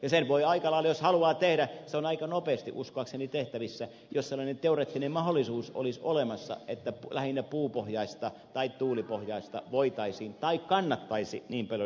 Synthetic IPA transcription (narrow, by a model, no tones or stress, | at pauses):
jɑsenʋoiɑikɑlɑilːɑjoshɑluɑːt̪ehdæseonɑikɑnopeːst̪ḭʔuskoɑksenit̪eht̪æʋisːæ | josselːˑɑnent̪euret̪ːinemmɑholːˑisuːso̰liso̰lemɑsːɑ̰ʔet̪ːælæhinːæpuːpohjɑist̪ɑt̪ɑit̪t̪uːlipohjɑist̪ɑ̰ʋoit̪ɑisiːnt̪ɑikkɑnːɑt̪ːɑisḭniːmpɑljo